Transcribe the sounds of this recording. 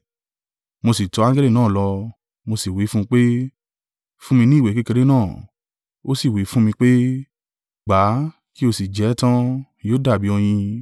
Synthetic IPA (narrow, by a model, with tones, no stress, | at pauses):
mo˧si˨tɔ˧ã˦ɡɛ˦li˦˨nãː˦˨lɔ˧ | mo˧si˨wi˨˦fũ˦˧k͡pe˦ | fũ˦mĩ˧nĩ˦˨we˨ke˦ke˧ɾe˦nãː˦˨ | o˦si˦˨wi˨˦fũ˦mĩ˧k͡pe˦ | ɡ͡ba˨˦ | ki˦o˧si˨d͡ʒɛ˨˦tã˦ | joː˦da˦˨bi˨˦ɔ˧j̃ĩ˧